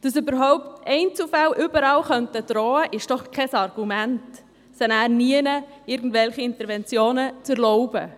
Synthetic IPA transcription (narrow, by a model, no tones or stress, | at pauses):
d̥əsybəɾɦɔʊptɛɪnt͡sufalʔʏbəɾɑlχœntəd̥ɾɔːəʔɪʃd̥ɔχkʰɛsɑrɡ̥umænt | sɛnæːɾniənə | ɪɾɡ̚n̩dvɛlχiɪnt̪əɾvɛnt͡sjoːnət͡səɾlɔʊbə